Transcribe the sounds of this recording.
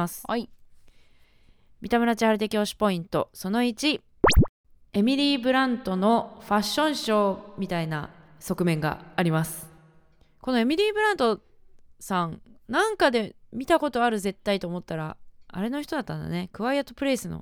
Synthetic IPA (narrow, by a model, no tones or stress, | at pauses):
sɨ̥ | mʲit̪amaɾat͡ɕihaɾɯ̟t̪̬e̞kʲioɕi̥po̞ĩnt̪o̞so̞no̞it͡ɕi | e̞mʲiɾʲiːbɯ̟ɾãnt̪o̞no̞ɸaɕːõ̞ɰ̃ɕo̞ːmʲit̪aina̰ | so̞kɯ̟mẽ̞ŋɡa̰ːɾʲimasɨ̥ | ko̞no̞e̞mʲiɾʲiːbɯ̟ɾãnt̪o̞ | sãŋnãŋkad̪e̞mʲit̪ako̞t̪o̞aɾɯ̟ze̞t̪ːait̪o̞ːmo̞t̪ːaɾaa̰ɾe̞no̞çʲi̥t̪o̞d̪at̪ːãna̰ne̞kɯ̟βaijat̪opɯ̟ɾe̞ːsɨno̰